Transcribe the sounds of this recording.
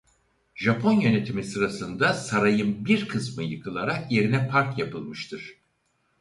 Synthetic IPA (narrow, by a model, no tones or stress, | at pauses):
ʒapʰo̞njø̞ne̞t̪ʰimisɯɾasɯnd̪asaɾajɯnbiɾkʰɯsmɯjɯkʰɯlˠaɾakje̞ɾinɛpʰaɾkjapɯlˠmɯʃt̪ʰɯɾ̥